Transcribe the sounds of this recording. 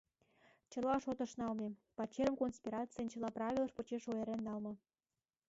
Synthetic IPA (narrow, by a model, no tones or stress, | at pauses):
t͡ɕə̆lɑʃot̪ə̆ʃnɑlmepɑt͡ɕːeɾəmkonspʲiɾɑt͡sɨjənt͡ɕəlɑprɑβʲilə̆ʃpŏt͡ɕeʃoeɾenːɑlmɤ̆